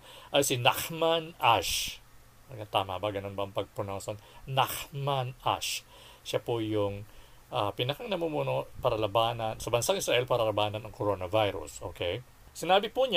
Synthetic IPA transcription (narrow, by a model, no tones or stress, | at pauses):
ʔɐjsɪnakmanʔaʃ | ɡat̪aːmɐ̰bɐɡɐno̞nbɐɐŋpɐɡ̚pʊnoːsonnakmanʔa̰ʃ | ʃapʊjʊŋʔapɪnɐkaŋnɐmumunopɐɾɐlɐbaːnɐnsɐbɐnsaŋʔɪsɾaʔɛlpaɾɐlɐbaːnɐnɐŋkoɾo̞ːnɐvajɾʊ̰sʔo̞̰ːkɛj | sɪnaːbɪpuɲa